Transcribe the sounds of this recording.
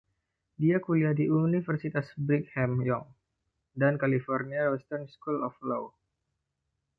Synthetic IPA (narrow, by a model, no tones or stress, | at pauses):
diakuliahdiʔunifərsit̪asbɾikhɛmjɔŋ | dankalifɔrniaɾɔst̪ɔrnskulɔflow